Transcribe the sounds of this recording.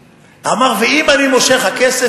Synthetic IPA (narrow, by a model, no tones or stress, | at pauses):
amaʁveimanimoʃe̞χhakese